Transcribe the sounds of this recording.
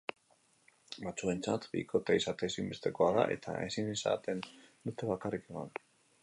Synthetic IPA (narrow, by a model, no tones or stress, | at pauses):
bat͡sue̞nt͡sat̪bḭko̞t̪aisat̪e̞simbe̞st̪e̞ko̞aða̰ʔe̞t̪ʰa̰ʔe̞sinesa̰t̪e̞nd̪ut̪e̞βakarike̞ma̰n